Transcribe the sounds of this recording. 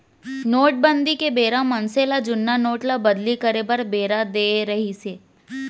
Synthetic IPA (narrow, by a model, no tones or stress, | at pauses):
noːʈ̚bə̃nd̪ikebeːɾãmɐnselad͡ʒʊnːanoːʈlabɐd̪likəɾebɐɾbeːɾad̪eːɾɐɦiseː